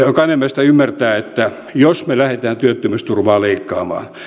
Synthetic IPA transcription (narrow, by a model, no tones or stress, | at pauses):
kɑnemːest̪æymːært̪æːet̪ːæ | josmelæhet̪æːnt̪yøt̪ːymøst̪urʋɑːleikːɑːmɑ̰ːn